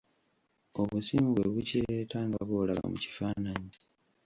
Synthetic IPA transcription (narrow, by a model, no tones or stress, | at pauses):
oβusiːmbweβuceetaːŋɡaβolaɡa̰muci̥faːnaɲi